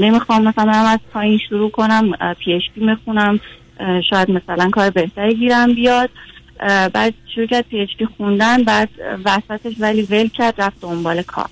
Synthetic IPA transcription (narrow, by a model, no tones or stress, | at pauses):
ne̞mixɒːmːæsæmæmæz̥pʰɒːjinʃuɾuːkʰo̞næmpʰieʃpʰiːmexunæm | ʃɒːjæd̪mæsælænkʰɒːɾebe̞ht̪ʰæɾiɟiːɾæmbijɒd̪̥̚ | bæːd̪̚ʃuɾuːcʰæɾd̪̥̚pʰieʃpiːxund̪ænbæːd̪̥væsæt̪ʰeʃvæliːvelcʰæɾd̪̥ræf̚d̪ombɒːlekʰɒ̰ːɾ